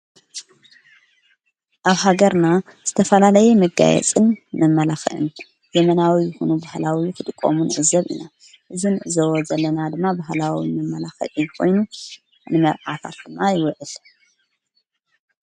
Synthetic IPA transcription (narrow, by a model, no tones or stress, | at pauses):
ʔaβhaɡɐɾnaz̥ɨt̪ʰɐfɐlalɐjemɨɡa̰jɛ̰t͡sʼɨnmɨmːɐlaxɨʔɨ̰n | zɛmɐnawijɪxunubahlawikʰɨt̪ʼɨkʼːo̰munɨʕɨzɐβḭna | ʔɨzinɨʕɨzɐwozɐlːɐnad̪ɨmːabaɦlawimɨmːɐlaxɨ̰ʔɨjkʰo̞̰jnu | nɨmɐβʕat̪ʰa̰t̪̚d̪ɨmːajɪwɨʔɨl